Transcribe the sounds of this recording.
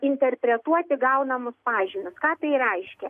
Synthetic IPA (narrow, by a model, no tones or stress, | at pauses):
ɪnʲt̪ʲɛrʲpʲɾʲɛt̪uɔt̪ʲɪɡɐʊnɐmʊspɑːʒʲɪnʲʊskɑːt̪ɐɪrɛɪʃʲkʲɛ